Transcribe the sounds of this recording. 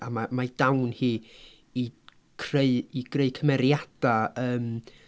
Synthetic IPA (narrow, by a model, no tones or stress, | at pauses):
amamajd̥awnhiː | i | kʰreɨiɡ̥reɨkʰəmɛɾjad̥aəːm